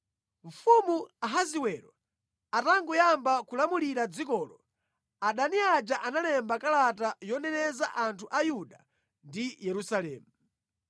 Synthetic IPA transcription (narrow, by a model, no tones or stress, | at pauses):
ɱ̩fumuaɦaziwɛɾɔ | ataŋɡujambakulamuliɾad͡zikɔːlɔ | aɗaniad͡ʒaʔanalɛmbakalatajɔnɛnɛzaʔantʰuʔajuɗa | ndijɛɾusalɛːmu